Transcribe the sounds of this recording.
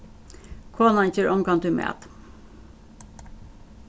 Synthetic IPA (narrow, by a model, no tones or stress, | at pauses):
kʰoːnɑnçøːɹʔɔmkɑnt̪ʉmḛːt̪